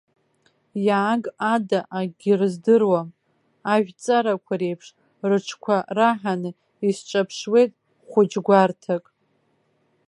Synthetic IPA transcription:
jaːɡadaʔaɡʲirɨzdɨrwa | aʒᶣt͡sʼaɾakʷʰaɾe̞jpʰʂ | rɨʈ͡ʂʰkʷʰaraħanɨ | isʈ͡ʂʷʼapʰʂwe̞jtʼ | χʷʊd͡ʒɡʷartʰakʼ

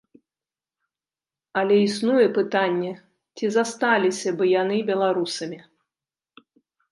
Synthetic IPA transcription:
ɐlʲɛisnujɛpɨt̪anʲːɛ | t͡sʲizast̪alʲisʲɐbɨjanɨbʲɛlˠaɾusɐmʲi

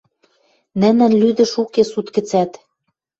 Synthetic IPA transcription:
nɘ̆nɘ̆nlyd̪ɘ̆ʃukesut̪kɘ̆t͡sæt̪

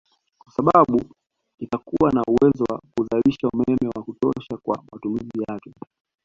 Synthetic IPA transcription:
kwasaɓaɓu | itakuwanauwɛzɔwakuzaliʃaumɛmɛwakutɔʃakwa̰matumizijakɛ

